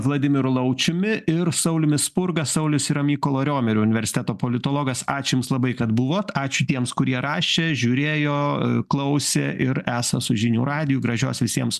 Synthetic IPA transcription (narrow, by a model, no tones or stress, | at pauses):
ʋlˠɐd̪ʲɪmʲɪɾʊlˠɐʊt͡ʃʲʊmʲɪʔɪɾsɐʊlʲɪmʲɪsspʊrɡɐsɐʊlʲʊsɪɾɐmʲiːkoːlˠoːɾʲoːmʲɛɾʲʊːʊnʲɪʋʲɛɾʲsʲɪ̥t̪ʲæːt̪oːpoːlʲɪt̪oːlˠoːɡɐsɑːt͡ʃʲʊjʊmslˠɐbɐɪkɐt̪bʊʋoːt̪ɑːt͡ʃʲʊt̪ʲiɛmskʊɾʲiɛɾɑːʃʲeːʒʲuːɾʲeːjoːklˠɐʊsʲḛːʔɪɾæːsɐsʊʒʲɪnʲuːɾɑːd̪ʲɪjuɡɾɐʒʲo̰ːsʋʲɪsʲiɛms